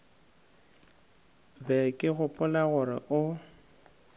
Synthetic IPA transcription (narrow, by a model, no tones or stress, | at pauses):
bɛkʼɪɣʊpʼʊlaɣʊrɪ̰ʔʊ